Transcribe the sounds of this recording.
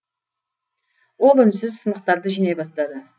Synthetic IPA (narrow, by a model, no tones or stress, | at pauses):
wo̞lˠʏnsɪzsənəq̚t̪ɑɾd̪əʒijnɑjbɑst̪ɑd̪ə